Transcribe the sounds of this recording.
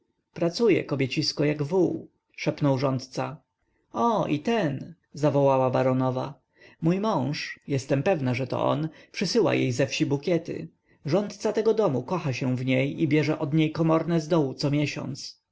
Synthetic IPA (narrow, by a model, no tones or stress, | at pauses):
pɾat̪sujɛ̰kɔbʲjet͡ɕiskɔjaɡvuw | ʂɛpnɔwʐɔnt̪t̪sa | ɔit̪ɛn | zavɔwawabaɾɔnɔva̰ | mujmɔ̃w̃ʂjɛst̪ɛmpɛvnaʐɛt̪ɔ̰ʔɔ̰npʂɘsɘwa̰jejzɛfɕibukʲɛt̪ɘ̰ | ʐɔnt̪t̪sat̪ɛɡɔd̪ɔmukɔxaɕɛ̃vɲejibʲjɛʐɛʔɔd̪ɲejkɔmɔɾnɛzd̪ɔwut̪sɔmʲjɛɕɔ̰̃nt̪s